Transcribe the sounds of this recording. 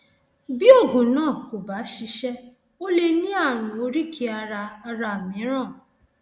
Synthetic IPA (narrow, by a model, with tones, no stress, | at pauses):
bi˦o˦˨ɡũ˨nãː˦˨ko˨ba˨˦ʃi˧ʃɛ˦ | o˦le˧nĩ˦a˦˨ɾ̃ʊ̃˨o˦ɾi˦kʰi˧a˧ɾa˧a˧ɾa˧˨mĩ˨˦ɾɔ̃˦˨